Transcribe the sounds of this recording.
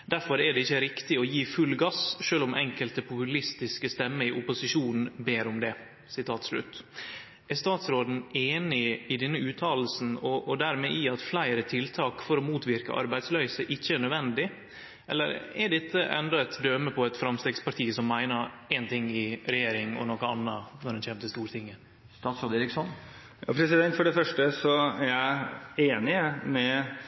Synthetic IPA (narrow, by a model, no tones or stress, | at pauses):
d̪æɾfɔɾɛɖɛɪçːəɾɪkt̪ɪɔjiːfʉlɡɑsʃøːlʊmʔɛ̰ŋkəlt̪əpʰʊpʉlɪst̪ɪskəst̪ɛmːəɪʔʊpʊsɪʂuːnn̩beːɾʊmd̪ɛ | sɪt̪ʰɑːt̪slʉ̰t̪ː | æɾst̪ɑːt̪sɾoːd̪n̩eːnɪɪd̪ɛnːəʉːt̪ʰɑːll̩sn̩ɔʔːd̪æɾmɛʔɪɑt̪flæɪɾət̪ʰɪlt̪ʰɑːkfɔɾɔmuːt̪ʋɪɾkə̰ʔɑ̰ɾbæɪd̪slœʏsəʔɪçːəæɳœd̪ʋɛnd̪ɪ | ʔɛ̰lːə̰ɾɛ̰ɖɛt̪ʰːəʔɛ̰nd̪ɔæt̪d̪øməpʰɔɛt̪fɾɑmst̪eːɡspɑʈʰiːəsɔmːæɪnəɾɛɪnt̪ʰɪŋːɪɾɛjeːɾɪŋɔ̰nɔkəɑnːɑnɔɾhɛnçɛːmt̪ʰəst̪uːɾt̪ʰɪŋːə | st̪ɑːt̪sɾoːd̪eːɾɪksɔn | jɑ̰ːpʰɾɛsɪd̪ɛnt̪fɔɖɛfœʂʈəsɔæɾjæɪeːnɪmɛ